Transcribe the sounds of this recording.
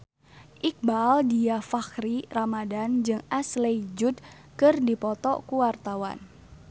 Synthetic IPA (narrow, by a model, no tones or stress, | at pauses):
ʔik̚baldiafaxɾiramadand͡ʒɨŋʔaslejd͡ʒud̪̚ | kɨrdipɔt̪ɔkuwart̪awa̰n